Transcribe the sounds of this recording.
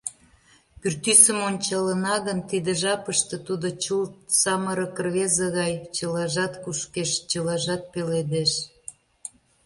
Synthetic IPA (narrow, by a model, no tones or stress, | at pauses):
pyrt̪ysəmonʲt͡ɕɑlənɑɣənt̪id̪ə̆ʒɑpəʃt̪ə̆t̪ud̪ot͡ɕusɑməɾə̆kərβezəɣɑjt͡ɕəlɑʒɑt̪kuʃkeʃt͡ɕəlɑʒɑt̪̚peled̪eʃ